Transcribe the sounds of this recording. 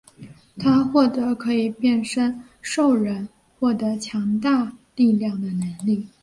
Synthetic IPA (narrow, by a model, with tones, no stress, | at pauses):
t̪ʰa˥xwɔ˥˩t̪ɤ˧˥kʰɤ˧˥i˨˩pjɛ˥˩nʂə˥n | ʂo˥˩ʊɻə˧˥n | xwɔ˥˩t̪ɤ˧˥t͡ɕʰjɑ˧˥ŋt̪a˥˧t̪i˥˧ljɑ˥˩ŋd̪ə˩nə˧˥nli˥˩